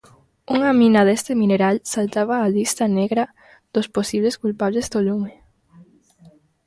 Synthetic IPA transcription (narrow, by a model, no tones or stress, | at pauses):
uŋaminaðest̪ɪmĩneɾalsalt̪aβaːlist̪aneɣɾa | ð̥osposiβleskulpaβlezd̪olume